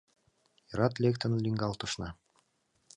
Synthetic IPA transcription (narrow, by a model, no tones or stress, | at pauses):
iɾɑt̪lʲekt̪ŏnlʲiŋɡɑlˠt̪uʃnɑ